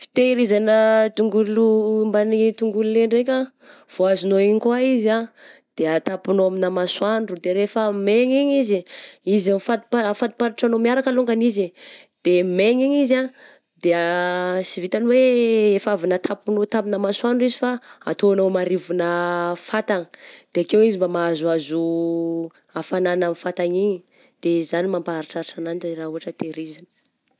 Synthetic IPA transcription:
fi̥t̪eɾizanət̪uŋɡulumbanit̪uŋɡululeɳɖ͡ʐekʲa | v̥oazinoiɲkuwaizad̪̥eat̪apunoaminamaswaɳɖ͡ʐud̪eɾefəmeɲiɲiziizamfat̪upaafat̪u̥paɾiʈ͡ʂanomiaɾakəloŋɡanizid̪̥emeɲiɲiza | d̪e | sivit̪anweefavinət̪ʰapunot̪ambinəmasuanɖ͡ʐizifaa̰t̪onomaɾivunəfat̪aŋə̥d̪̥eakewizimbamaazuazu | afananamifat̪aɲiɲi | d̪̥ezanimampaɾiʈ͡ʂaɾiʈ͡ʂanant̪raɦuɦaʈ͡ʂət̪eɾizinə̥

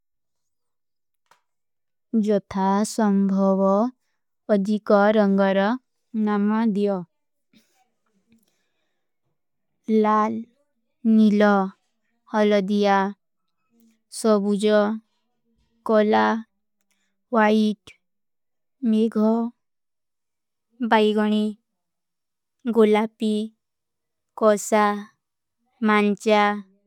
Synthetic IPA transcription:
d͡ʒɔt̪ʰasəmbʱɔʋɔː | d̪ʱikɔɾəŋɡəɾɔ | namad̪ijɔ | al | nilɔ | hʌləd̪ija | sɔbud͡ʒɔ | kɔla | ʋaiʈ | meɡʱɔ | bajɡɔɽ̃i | ɡolapi | kɔsa | mant͡ʃa

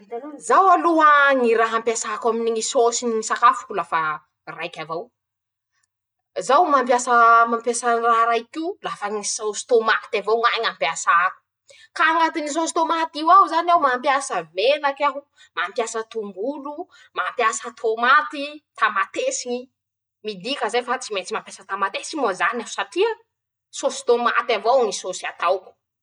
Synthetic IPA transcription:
zawaluaŋiraɦampjasaakaminiŋisosiniisakafu̥kulafa | rajkʲavaw | zawmampjasəmampjasaraɦɾajkiulafaŋisawsi̥t̪omat̪avawŋaŋampjasaku̥ | kaŋat̪inis̬osi̥t̪omat̪iwawuzanawmampjasəmenakaɦu | mampjasət̪umbulu | mampjasət̪ʰomat̪it̪amat̪esiɲi | mid̪ikəzafat͡simet͡simampʲjasət̪amat̪esimozanau̥saʈ͡ʂiə | sosi̥t̪oma̰t̪avownisosiat̪awku̥

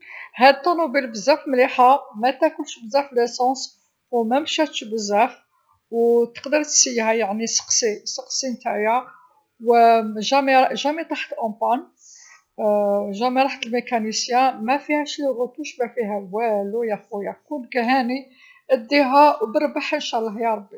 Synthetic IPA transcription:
hæd̪̚t̪ˤːɑnubilbəzːæfmliħamæt̪ækʊlʃbəzæflæsɑ̃s | wmæmʃæt̪ʃbəzæf | wt̪ə̥qd̪əɾˤt̪sihæjaʕnisə̥qsisəqsimt̪aʕjæ | wʒæmiʒæmit̪ˤaħt̪ʔɑ̃t̪ˤɑn | ʒæmiɾˤɑħt̪əlmekænisjæ̃mæfihæʃlrːət̪uʃbæfiɦæwælujæfujækunkæɦæni | ʔəd̪ːiɦæbəɾˤbaħənʃælɦjɑɾˤbːi

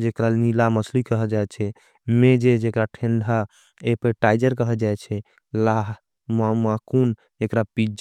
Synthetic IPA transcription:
d͡ʒekɾanilaməslikəɦɛd͡ʒaɛt͡ʃʰɛ | med͡ʒed͡ʒekɾaʈʰeɳɖʱa | epeʈajd͡ʒəɾkəɦɛd͡ʒajt͡ʃʰɛ | laɦ | mamakun | ekɾapid͡ʒ

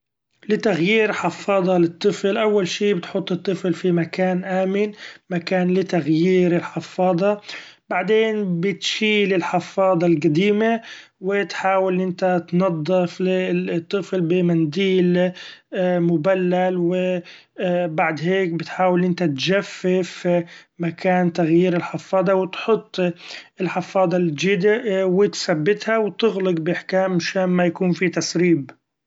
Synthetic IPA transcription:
lɪt̪aɣjiːɾħɑfːɑːd̪ˤɑlɪt̪ˤːɨflʔawːalʃiːbɪt̪ħʊt̪ˤːɨt̪ˤːɨflfimakaːnʔaːmɪnmakaːnlɪt̪aɣjiːɾɪlħɑfːɑːd̪ˤɑbaʕd̪eːnbɪt̪ʃiːlɪlħɪfːɑːd̪ˤɑlɡad̪iːmawɪt̪ħaːwɪlʔɪnt̪at̪nɑd̪ˤːɪflɪt̪ˤːɨflbɪmand̪iːlː | mʊbalːalwɪ | baʕd̪ɦeːkbɪt̪ħaːwɪlʔɪnt̪at̪d͡ʒafːɪfmakʰaːnt̪aɣjiːɾɪlħɪfɑːd̪ˤɑwɪt̪ħʊt̪ˤːɪlħɪfːɑːd̪ˤɑld͡ʒɪd̪awɪt̪sabːɪt̪hawt̪ɪɣlɪqbɪʔɪħkaːmːaʃaːnmajakuːnfit̪asɾiːb

